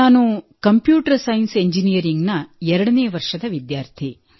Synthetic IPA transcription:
aːnukɐmpjuːʈɐɾsɐjnseɲd͡ʒinijɐɾiŋɡnɐɛɾɐɽɐneːɐʋɐɾʂɐd̪ɐʋid̪jaːɾt̪ʰi

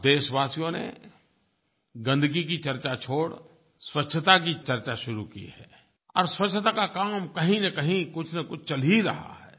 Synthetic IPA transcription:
d̪eːʃʋaːsijõnḛ | ɡɐ̃nd̪ɡik̬it͡ʃɐɾt͡ʃat͡ʃʰoːɽ | swɐtʃʰət̪ak̬it͡ʃɐɾt͡ʃaʃʊɾukḭɦɛ̰ː | ɔ̰ːɾswɐtt͡ʃʰːət̪akakaːmkɐɦĩnɐkɐɦĩkʊt͡ʃʰnɐkʊt͡ʃʰt͡ʃɐliɾɐ̰ɦa̰ɦɛː

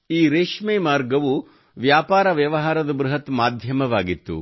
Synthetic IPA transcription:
iːɾeːʂmeːmaːɾɡɐʋu | ʋjaːpaːɾɐʋjɐʋɐɦaːɾɐd̪ɐbɾuɦɐt̪maːd̪ʱjɐmɐʋaːɡit̪ːṵ

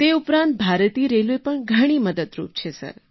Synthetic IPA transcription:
t̪eupɾãnt̪̚bʱaɾt̪iɾeluepəɳɡʱəɽ̃iməd̪əd̪ɾṵp̚t͡ʃʰesə̰ɾ

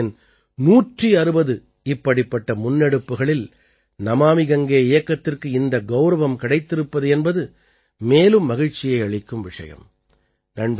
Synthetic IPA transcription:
ɪn | nuːʈriɐɾɯbɐðɯ | ɪpːɐɽɪpːɐʈːɐmʊnːɛɽɯpːɯɣɐɭɪl | nɐmaːmɪɣɐŋɡeːɪjɐkːɐt̪ːɪrkɯɪnd̪ɐɡɐʊɾɐʋɐmkɐɽɐɪt̪ːɪɾɯpːɐðɯɛnbɐðɯ | meːlɯmːɐɣɪɻt͡ʃːɪjɐɪɐɭɪkːɯmʋɪʂɐ̰jɐ̰m | ɾɐɳb

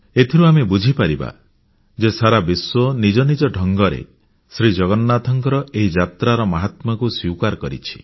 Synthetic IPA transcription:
et̪ʰiɾuamebud͡ʒʱipaɾiba̰ | d͡ʒesaɾabiswɔnid͡ʒɔnid͡ʒɔɖʱɔŋɡɔɾḛ | sɾid͡ʒɔɡɔnnat̪ʰɔŋkɔɾɔeɦid͡ʒat̪ɾaɾɔmaɦat̪mɔkuswiwkaɾɔkɔɾḭt͡ʃʰi̥

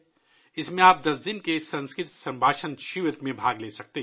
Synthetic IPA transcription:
ɪsmẽaːp̚d̪ɐsd̪ɪnkesɐ̃nskɾɪt̪sɐ̃mbʱaːʃənʃɪʋət̪mẽbʱaːɡleːsɐk̚t̪eɦ

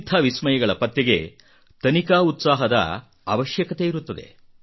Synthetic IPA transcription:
t̪ʰːɐʋismɐjɐɡɐɭɐpɐt̪ːɛɡe̞̰ | t̪ɐnikaːut̪saːɦɐd̪ɐ̰ | a̰ːʋɐʃjɐkɐt̪e̞iɾut̪ːɐd̪e̞̰

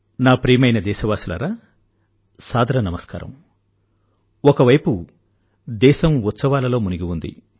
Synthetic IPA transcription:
naːpɾiːmɐjnɐd̪ɛːʃɐʋaːsulɐ̰ɾaː | saːd̪ʱɐɾɐnɐmɐska̰ːɾɐ̰m | ɔkɐʋɐjpu | d̪ɛːʃɐmut̪sɐʋaːlɐlo̞ːmuniɡiund̪ḭ

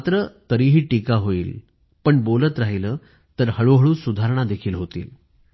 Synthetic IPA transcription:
t̪ɾət̪əɾiːɦiːʈikaɦoiːl | pəɳbolət̪ɾaɦiləː | t̪əɾhəɭoɦəɭũːsud̪ʱaɾɳad̪ekʰiːlɦot̪ḭːl

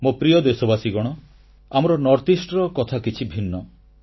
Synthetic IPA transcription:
mopɾijɔd̪esɔbasiɡɔɽ̃ɔ | amɔɾɔnɔɾt̪isʈɾɔkɔt̪ʰakit͡ʃʰibʱinːɔ

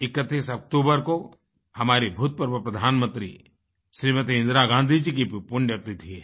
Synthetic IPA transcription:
ɪkət̪ːiːsɐk̚ʈ̪uːbəɾko | hɐmaːɾibʱuːt̪̚pəɾbupɾɐd̪ʱaːnmə̃nt̪ɾi | ʃɾiːmət̪iɪ̃nd̪ɾaɡãːnd̪ʱid͡ʒikipʊɳɖeɾt̪it̪ʰie

